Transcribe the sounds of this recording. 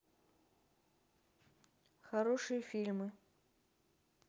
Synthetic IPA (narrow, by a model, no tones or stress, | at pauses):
xɐɾoʂɨjəfʲilʲmɨ